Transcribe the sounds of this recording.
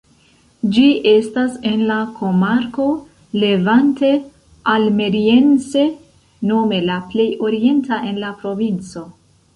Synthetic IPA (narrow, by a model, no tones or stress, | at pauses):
d͡ʒiʔe̞stase̞nlako̞maɾko̞ | le̞vante̞ | alme̞ɾie̞nse̞ | no̞me̞laple̞jo̞ɾie̞ntaʔe̞nlapɾo̞vint͡so̞